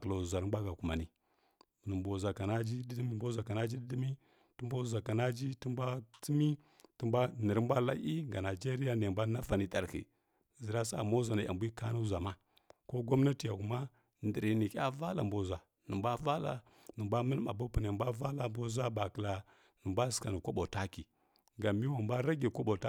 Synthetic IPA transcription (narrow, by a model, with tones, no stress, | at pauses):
kla˨zʷa˨nə˨mbʷa˦ɡa˨ku˨ma˨ni˨ | nə˨mbʷo˨za˨ka˨na˦d͡ʒi˦di˦di˦mi˦mbo˦zʷa˨ka˨na˦d͡ʒi˦di˦di˦mi˦ | tə˦mbo˦zʷa˨ka˨na˦d͡ʒi˦ti˦mbʷa˦t͡si˦mi˦ | ti˦mbʷa˦nə˨ɾmbʷa˦la̰˦i˦ŋɡa˨na˨d͡ʒe˦ɾi˦ja˦n˨e˨mbʷa˦na˦fa˨ni˨ta˨ɾhḭ˨ | zə˨ɾa˦sa̰˦˨mo˦za˨na˨ʔa̰˨mbʷi˦ka˦nu˦za˨ma˦ | ko˦ɡo˦mna˦ti˨ja˨ku˨ma˦ | ndi˨ɾi˨ni˨ka̰˦va˦la˨mbo˨zʷa˨ | nə˨mba˦va˦la̰˨ | nə˨mbʷa˦mə˦lma̰˨bo˦pu˨na˨bʷa˦va˦la˨mbo˦zʷa˦ba˨kə˨la˨ | nə˨mbʷa˦ska˨ni˨kʷo˦ɓo˨ta˦ki˨ | ɡa˨mi˦wa˨mbʷa˦ɾa˦ɡi˨kʷo˦ɓo˨ta˦